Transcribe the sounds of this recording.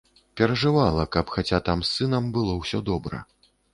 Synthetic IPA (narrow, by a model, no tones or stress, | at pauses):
pʲɛɾɐʐɨvalˠɐkɐpxat͡sʲat̪amsːɨnɐmbɨlˠɔwsʲɔd̪ɔbɾɐ̰